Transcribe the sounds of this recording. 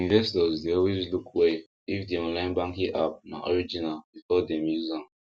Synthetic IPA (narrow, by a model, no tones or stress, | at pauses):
ĩnvɛstɔzdeɔlwezlukʰwe | ifdiɔ̃nlãɪ̃nbãŋkĩʔap̚na̰ʔɔɹid͡ʒinalbifɔdɛ̃mjuzãn